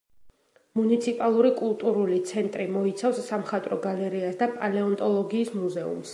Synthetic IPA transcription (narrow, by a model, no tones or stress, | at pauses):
munit̪sʰipʼalˠuɾikʼulˠt̪ʼuɾulit̪sʰɛnt̪ʼɾimɔit̪sʰafsːamχat̪ʼɾɔɡalɛɾiasd̪apʼalɛɔnt̪ʼɔlˠɔɡiːsmuzɛṵms